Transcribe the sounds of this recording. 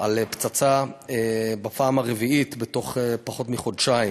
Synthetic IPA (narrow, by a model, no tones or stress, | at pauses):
alept͡sat͡saebapaːmaʁeviit̪bet̪o̞χepaχo̞t̪miχo̞dʃaim